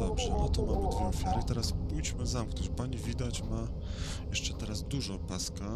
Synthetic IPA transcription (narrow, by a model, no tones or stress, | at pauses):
ɔbʐɛnɔt̪ɔmamɘd̪vʲjɛɔfʲjaɾɘt̪ɛɾaspujt͡ɕmɘzamknɔt͡ɕpaɲivʲid̪at͡ɕma | jɛʂt͡ʂɛt̪ɛɾazd̪uʐɔpaska